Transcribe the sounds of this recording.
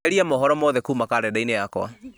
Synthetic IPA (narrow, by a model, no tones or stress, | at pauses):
eɾiamɔɦɔɾɔmɔðɛkuːmakaɾɛdainejakw̰a̰